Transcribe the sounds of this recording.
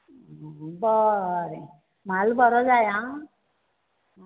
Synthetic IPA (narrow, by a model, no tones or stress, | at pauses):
bʌɾi | m̤albʌɾɔd͡zajã